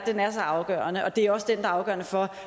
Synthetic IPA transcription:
d̥enæɐsɒ̽ʔɑ̈ʊɡ̥ɶ̰ːɐnəʔɒ̽d̥e̝æɒ̽səd̥end̥ɑ̈ɑ̈ʊɡ̥ɶ̰ɐnəfɒ̽

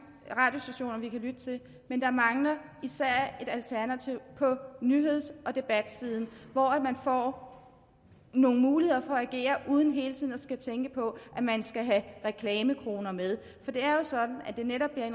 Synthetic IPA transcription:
ʁɑ̈ːd̥jo̝sd̥æɕo̝̰ːnɐʋikʰælyd̥ət͡sʰe̝l | mend̥ɑmɑ̈ŋlɐ | isæɐ̰e̝ɾ̥ælt͡sʰæɐnæt͡sʰiʊ̰pʰɒ̽nyɦe̝ð̞̰ˠsʔɒ̽d̥e̝b̥æd̥siːð̞ˠn̩ʋɒæd̥mænfɒ̰ː | no̝ːŋ̩muːlihe̝ðˠɐfɒ̽æɡ̥e̝̰ːɐʔuːð̞ˠn̩ɦe̝ːlt͡sʰið̰ˠnɒsɡ̥æt͡sʰeŋɡ̥əpʰɒ̽ʔæmænsɡ̥æɦæʁɛkʰlɛːməkʰʁo̝ːnɐmeð̞ˠ | fɒ̽d̥e̝æɐjo̝sɒ̽d̥n̩æd̥e̝neɾɒ̽b̥liɐen

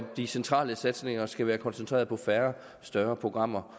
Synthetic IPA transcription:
d̥isent͡sʰʁɑ̰̈ːləsæd̥sne̝ŋɐsɡ̥æʋæːɐkʰɒ̽nsent͡sʰʁɛ̰ːɐð̞̩ˠpʰɒ̽fæɐ | sd̥ɶɐpʰʁo̝ɡ̥ʁɑ̈m̰ɐ

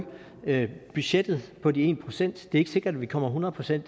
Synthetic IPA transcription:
m | b̥yɕed̥ð̩ˠpʰɒ̽die̝̰ːnpʰʁo̝sen̰d̥d̥e̝æe̝ɡ̥əse̝ɡ̥ɐd̥æʋikʰɒ̽m̰ɐɦunɐð̩ˠpʰʁo̝sen̰d̥

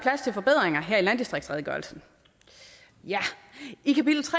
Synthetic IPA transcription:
pʰlæst͡sʰe̝lfɒ̽b̥e̝ð̰ˠʁeŋɐɦeɐ̰ilæn̰d̥isd̥ʁeɡ̥sʁɛðˠɡ̥ɒlsn̩ | jæikʰæpid̥l̩t͡sʰʁɛ

